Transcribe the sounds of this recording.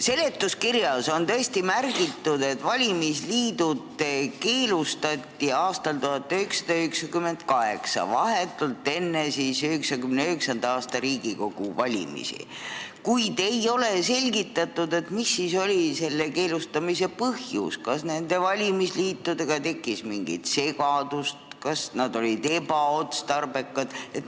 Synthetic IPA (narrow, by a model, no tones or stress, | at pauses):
se̞le̞t̪ːˑuskirjɑso̞nt̪ɤ̞est̪imærɡit̪ːud̪̥e̞t̪ːvɑlʲimisliːd̪̥ud̪ke̞ːlust̪ɑt̪ʲːiɑːst̪ɑlt̪uɦɑt̪ːˑyheksɑ̥d̪̥ɑyheksɑkymːe̞nd̪̥kɑɦe̞̰ksɑ̰vɑɦet̪ːˑult̪ːˑe̞nːesisyheksɑkymneyheksɑnd̪̥ɑɑːst̪ɑɾiːɡ̥iko̞ɡ̥ṵvɑlʲḭmḭsḭ | kujd̪̥e̞jo̞le̞se̞lʲɡit̪ːˑɑt̪ːˑud̪e̞t̪misːiːso̞lʲise̞lːeke̞ːlust̪ɑmise̞pɤhjṵskɑsne̞nd̪̥e̞vɑlʲimisliːt̪ːud̪eɡ̥ɑt̪e̞kːˑismiŋɡḭt̪se̞ɡɑd̪̥ust̪kɑsnɑd̪̥o̞lid̪e̞bɑot̪st̪ɑrb̥e̞kːɑd̪̥et̪